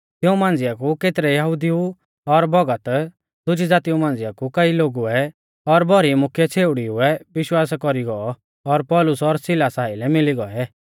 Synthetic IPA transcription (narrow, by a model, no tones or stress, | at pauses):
t̪ɪũmãːn̆d͡zɪjakukeːt̪ɾɛjɐɦʊd̪iũ | ɔɾbɔɡət̪ | d̪̥ʊd͡ʒid͡zaːt̪iũmãːn̆d͡zɪjakukɐiloːɡuɛ | ɔɾbʱɔɾimʊkʰjɛt͡sʰeːʊɽiɦʊɛʋɪʃwaːskɔɾiɡɔɔ | ɔɾpɔːlʊsɔɾsɪlasaːilɛmɪliɡɔɛ